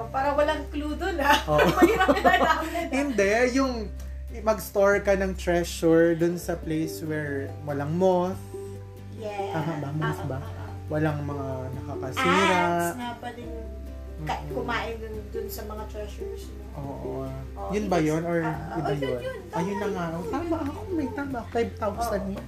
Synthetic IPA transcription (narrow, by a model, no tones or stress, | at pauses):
paːɾɐwɐlɐŋkluːd̪onaʔoːʔad̪aɐɪnd̪ɛjʊŋ | mɐɡst̪oɹkɐnɐŋt̪ɹɛʃʊɹd̪ʊnsɐplejswɛɹwɐlaŋmoθ | jɛaːmɐbamoθbɐ | wɐlaŋmɐŋanɐkɐkɐsiːɾaŋapɐlɪnʊ | mɐkkʊmaːʔɪd̪ʊnd̪ʊnsɐmɐŋat̪ɹɛʃʊɹs | ʔoːʔo | jʊnbɐjonoɹjʊbɐjon | ɐjʊnɐŋaʔt̪aːmaʔɐɐkomɐjt̪aːmaʔfajb̚t̪awsɐnja